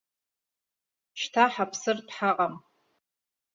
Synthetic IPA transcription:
ʃtʰaħapʰsɨrdħaqʼam

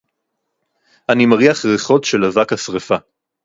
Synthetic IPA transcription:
ʔanimaʁiaχʁeχo̞tʃelavakhasʁefa

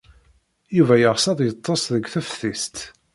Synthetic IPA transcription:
juvæjəʁsɑðˤjət̪ˤːɑsðəɡʷθæfθist̪

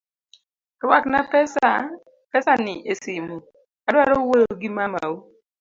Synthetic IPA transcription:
kɔwaknapɛsa | pɛsanɪʔesimo | adwaɾowoɡimama̰wo

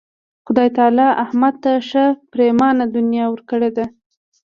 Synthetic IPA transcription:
xʊd̪ɑjt̪ɑlɑʔahmad̪̚t̪aʂəpɾemɑnad̪ʊnjɑwəɾkəɽed̪a

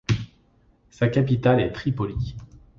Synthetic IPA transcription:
sakʲapit̪alɛt̪χipɔli

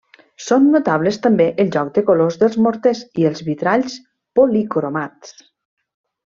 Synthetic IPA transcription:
sonːot̪aβ̞lest̪ambeʔelˠʒɔk̚d̪əkolozðəlˠzmoɾt̪esielˠzβit̪ɾaʎs | polikɾomat̪s

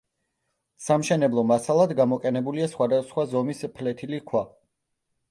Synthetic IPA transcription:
samʃɛnɛblˠɔmasalˠad̪ɡamɔqʼɛnɛbuliasχwad̪asχwazɔmispʰlɛt̪ʰilikʰwa

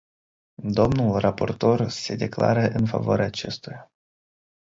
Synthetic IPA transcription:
d̪o̞mnulrapo̞rt̪o̞rse̞d̪e̞kla̰ɾəʔɨnfa̰voa̰ɾʲeaːt͡ʃe̞st̪uja

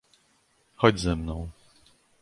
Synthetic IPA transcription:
xɔd͡ʑzɛmnɔ̃w̃

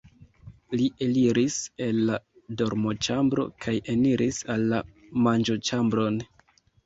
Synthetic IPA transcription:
liʔeliɾise̞lːa | do̞ɾmo̞t͡ʃambɾo̞̰kʰajeniɾʔisalːa | mand͡ʒo̞t͡ʃambɾo̞n

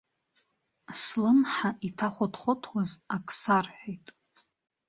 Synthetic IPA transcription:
slɨnħaʔitʰaχʷadχʷʊtʰwazakʰʼsarħʷejtʼ

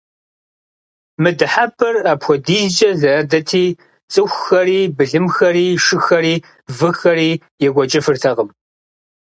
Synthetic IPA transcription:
mɨdɨħabʰʼɐraːpxʷɔdiːzt͡ʃʼɐzɐɐdɐtʰiː | t͡sʼɨxʷxɐɾiːbɨɮɨmxɐriːʃɨxɐɾiː | vɨxɐɾiː | jɛɡʷɔt͡ʃʼɐfɨrtʰɐʁəm

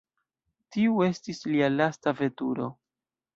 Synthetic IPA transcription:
tiue̞stislialastave̞tuɾo̞̰

